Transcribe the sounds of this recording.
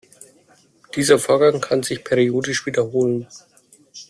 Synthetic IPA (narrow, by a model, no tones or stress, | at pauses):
d̥iːzɐfoːɐɡaŋkʰanzɪçpʰɛʁioːdɪʃv̥iːdɐhoːlən